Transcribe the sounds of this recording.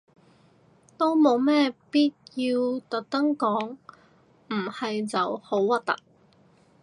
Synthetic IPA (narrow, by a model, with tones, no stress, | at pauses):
t̪o˥wmo˨˧wmɛː˥piː˥t̚jiː˧wt̪ɐ˨k̚t̪ɐ˥ŋkɔː˨˥ŋ | m̩˨˩hɐ˨jt͡sɐ˨who˨˥wwɐ˥t̚t̪ɐ̰˨k̚